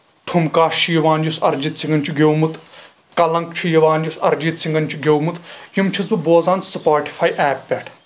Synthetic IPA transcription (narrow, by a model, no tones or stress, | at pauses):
ʈʰumkaːʃijʋaːnd͡ʒusɐɾd͡ʒit̪siŋɡɐnt͡ʃʰiɡʲewmut̪ | kɐlɐŋk̚t͡ʃʰijɐʋaːnd͡ʒusɐɾd͡ʒit̪siŋɡɐnt͡ʃʰiɡʲowmut̪jimt͡ʃʰizbuboːzaːnt͡ssɐpaːʈi̥fʰaːjʔɛːpːʲɛʈʰ